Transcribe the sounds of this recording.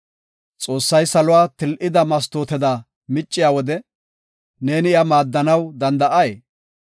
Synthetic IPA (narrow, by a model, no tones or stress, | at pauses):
t͡sʼo̞ːsːɐjsɐlʊwaːt̪ɪlʔɪd̪ɐmɐs̬t̪oːt̪ɛd̪a | mɪt͡ʃʼːɪjaːwɔd̪ɛ | ne̞ːnɪɪɐmaːd̪ːɐnɐwd̪ɐnd̪ɐʔɐjeː